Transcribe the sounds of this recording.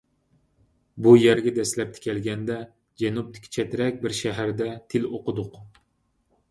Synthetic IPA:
bujæɾɡʲɛd̪ɛslɛp̚t̪ʰɪ̥kʲʰɛlɡʲɛnd̪ɛ | d͡ʒɛnup̚t̪ʰɪ̥kʲʰːi̥t͡ʃʰɛt̪ʰɪɾɛkʲbɪɾʃæɦæɾd̪ɛt̪ʰɪloqʰəd̪ʊq

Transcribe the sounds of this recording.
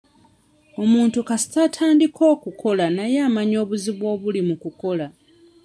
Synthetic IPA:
o̞muːntukasi̥tatʰaːndikʰo̞ːkukʰo̞lanajaːmaɲo̞ːβuziβwo̞ːβulimukuko̞la

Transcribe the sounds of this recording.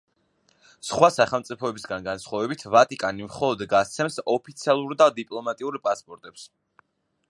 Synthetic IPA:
sχwasaχɛlˠt̪sʼipʰɔɛbisɡanɡansχwavɛbit̪ʰvat̪ʼikʼanimχɔlˠɔd̪ɡat̪sʰɛmsɔpʰit̪sʰialˠuɾd̪ad̪ipʼlˠɔmat̪ʼiuɾpʼaspʼɔɾt̪ʼɛps

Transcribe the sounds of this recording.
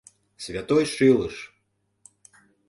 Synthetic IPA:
sʲvʲat̪ɔjʂɨlˠɨʂ

